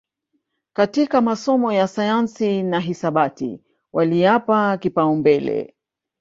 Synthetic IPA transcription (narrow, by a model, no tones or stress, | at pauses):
katikamasɔmɔjasajansinaɦisaɓatḭ | wʔaliapakipaumbɛlɛ̰